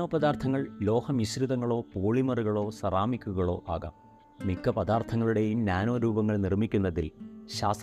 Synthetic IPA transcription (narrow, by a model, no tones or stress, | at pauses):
oːpɐðaːrt̪ʰɐŋːɐɭlo̞ːhɐmisɾiðɐŋːɐɭo̞ːpoːɭimɐruɣɐɭo̞ːsɐraːmikʲːuɣɐɭo̞ːʔaːɣa̰ːm | mikːɐpɐd̪aːrt̪ʰɐŋːɐɭuɽe̞jumnaːno̞ːɾuːbɐŋːɐɭnirmikʲːunːɐðḭlɕaːst̪